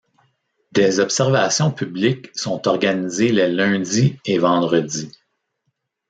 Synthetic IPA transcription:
d̪ɛzɔpsɛʁvasjɔ̃pʰyblɪksɔ̃t̪ɔʁɡanizelɛlœ̃d͡zievɑ̃d̪ʁədd͡z̪i

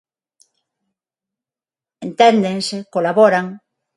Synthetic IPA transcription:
ent̪end̪eŋsekolaβoɾaŋ

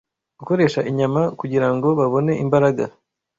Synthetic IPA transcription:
ɡ̥uko̞ɾe̞ːʃaʔiɲamakuɟiɾaŋɡo̞βaβo̞ne̞ʔimbaɾaɡa

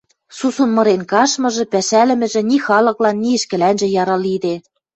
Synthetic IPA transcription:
susunmɤ̆ɾenkɑʃmɤ̆ʒɤ̆pæʃælɘ̆mɘ̆ʒɘ̆nixɑlɤ̆klɑnːiɘ̆ʃkɘ̆lænʒɘ̆jɑɾɑlid̪e

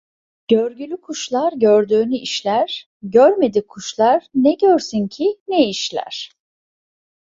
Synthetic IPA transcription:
ɟ̥øɾɟylʲykʰuʃlˠaɾɟøɾd̪yːnyʔiʃlʲæɾ̥ | ɟøɾme̞d̪ikʰːuʃlˠaɾnɛɟøɾsyncʰinɛiʃlʲæ̰ɾ̥

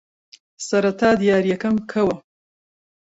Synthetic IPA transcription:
sɐɾɐt̪ʰaːd̪ijaːɾjɐkɐmkʰɐwɐ

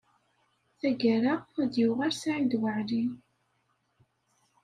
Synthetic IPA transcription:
θæɡæɾaæd̪juʁaɾsaʕid̪wəʕli

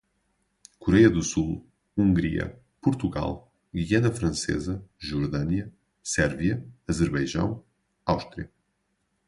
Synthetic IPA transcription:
kuɾɛjɐðusulˠ | ũŋɡɾiɐ̰ | puɾt̪uɣa̰lˠ | ɡiɛnɐfɾɐ̃sḛzɐʒuɾðɐniɐ | sɛɾviɐɐzɨɾβɐjʒɐ̰̃w̃ | awʃt̪ɾiɐ

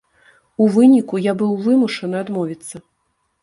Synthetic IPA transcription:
uvɨnʲikujabɨwvɨmuʂɐnɨad̪mɔvʲit̪sːɐ

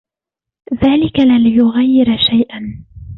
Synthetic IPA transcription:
ðaːlɪkalalɪjʊɣajːɪɾʃajʔan

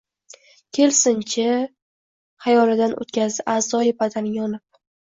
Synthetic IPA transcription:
kʲʰe̞lsɪnt͡ʃʰa | χajɒlɪd̪anʔo̰t̪kʲʰazd̪ɪʔazɒjɪbad̪aɾjʲɒnɪp̚

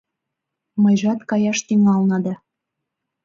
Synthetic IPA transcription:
mɤjʒɑt̪kɑjɑʃt̪yŋɑlnɑd̪ɑ

